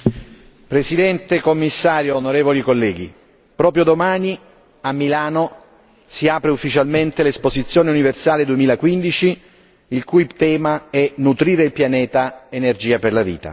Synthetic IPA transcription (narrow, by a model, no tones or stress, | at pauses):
pɾesid̪ɛnt̪ekomːisːaːɾjoːnoɾeːvolikolːɛːɡi | pɾɔːpɾjod̪omaːni | amːilaːno | siaːpɾeufːit͡ʃalment̪elespozit̪sːjoːneuniversaːled̪uemiːlakwind̪it͡ʃi | ilkujt̪ɛːmaɛnut̪ɾiːɾeilpjanɛːt̪aenerd͡ʒiːaperlavḭːt̪a̰